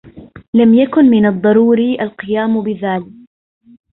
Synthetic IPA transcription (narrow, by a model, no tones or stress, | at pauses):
lamjakʊnmɪnɑd̪ˤːɑɾuːɾiʔalqɨjaːmbɪðaːlɪk